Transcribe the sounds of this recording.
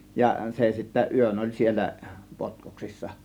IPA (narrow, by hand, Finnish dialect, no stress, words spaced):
jɑ se sitːæ yøn olʲ sielˑæ potkoksisːɑ